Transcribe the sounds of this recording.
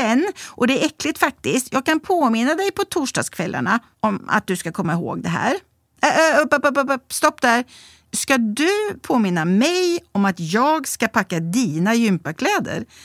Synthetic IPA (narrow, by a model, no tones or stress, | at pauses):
ɛnːʔɔd̪ɛæɾɛkːlɪt̪fak̚t̪ɪst̪ʰjɑːɡ̚kʰanpʰoːmɪnːad̪ɛjpʰɔt̪ʰuːʂɖɑ̰ːskʰvɛlːa̰ɳa | ʔɔma̰t̪̚d̪ɵskakʰɔmːaɪɦo̰ːɡd̪ɛɦæ̰ːɾ | pəpəpppst̪ɔpːd̪æɾ | skad̪ɵpʰoːmɪnːamɛjɔmat̪jɑːɡskapʰakːad̪iːnajʏmpakʰlɛːd̪ə̰ɾ